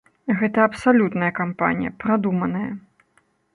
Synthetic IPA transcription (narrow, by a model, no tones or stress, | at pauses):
ɣɛt̪ɐɐpsalʲut̪nɐjɐkampa̰nʲijɐpɾad̪umɐnɐjɐ